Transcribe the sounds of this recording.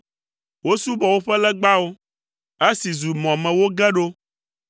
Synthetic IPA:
wo˦su˦bɔ˨wo˦ɸɛ˦lɛ˦ɡ͡ba˦wo˦ | e˦si˨zu˨mɔ̃˨mɛ̃˨wo˦ɡɛ˦ɖo˦

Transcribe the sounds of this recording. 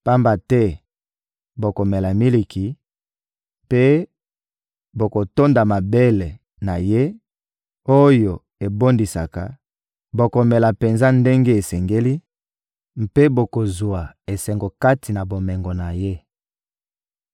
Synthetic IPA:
pa˦mba˨tɛ˦ | bo˨ko˨mɛ˨la˨mi˦li˨kʰi˨ | pe˦ | bo˨ko˨to˦nda˨ma˨be˦le˨ | na˨je˦ | o˦jo˨ | e˨bo˦ndi˨sa˨ka̰˨ | bo˨ko˨mɛ˨la˨pe˨nza˦nde˦ŋɡe˦e˨sɛ˨ŋɡe˦li˦ | m˨pe˦bo˨ko˨zu˨a˨ | e˨sɛ˨ŋɡo˨ka˦tʰi˨na˨bo˨mɛ˨ŋɡo˨na˨je˦

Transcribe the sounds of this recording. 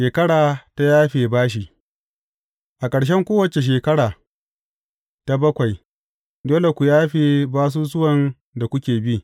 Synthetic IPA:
ʃeː˨kɐ˦ɽaː˨ta˦jaː˦ɸeː˨baː˦ʃ̬i˨ | ʔa˨kʼɐ˨ɽʃ̬ɛ˦ŋkʷoː˦wɐ˨t͡ʃe˨ʃ̬eː˨kɐ˦ɽaː˨ | ta˦bɐ˦kʷa˨j | doː˦le˨kʷu˨jaː˦ɸeː˨baː˦s̬uː˦s̬ʊ˦wɐ˨n | da˨kʷʊ˦kʲeː˨bi˦

